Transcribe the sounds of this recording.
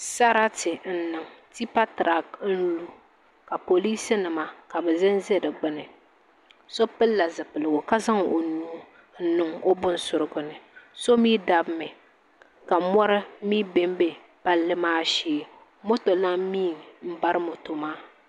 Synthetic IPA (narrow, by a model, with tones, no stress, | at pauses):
sa˦ɾa˦tɪ˨n̩˦nɨ˨ŋti˦pa˦tɾa˨kn̩˦lu˨ | ka˨po˨li˦sɨ˦nɨ˨ma˨ka˨bɛ˨zɪ˦n˦ze˦dɨ˨ɡ͡bɨ˦nɨ˨ | so˦pɨ˦lːa˨zɨ˨pɨ˨lɨ˨ɡʊ˨ka˦za˦ŋo˨nuː˦ | n̩˦nɨ˨ŋo˦bʊ˦n˦sʊ˨ɾɨ˦ɡʊ˨nɨ˨so˦miː˦da˦bmɛ˨ | ka˨mɔ˦ɾɨ˦miː˦be˦m˦be˦ | pa˦lːɨ˦maː˦ʃeː˦ | mo˦to˨la˦miː˦˨m̩˦ba˦ɾɨ˦mo˨to˨maː˦